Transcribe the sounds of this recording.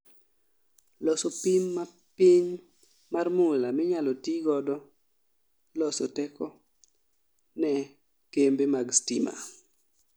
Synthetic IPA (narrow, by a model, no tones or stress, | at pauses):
lɔsopimːa | piɲ | marmʊelamɪɲalɔtiɡɔdɔ | lɔsɔtɛkɔ | nɛ | kembemaɡstima̰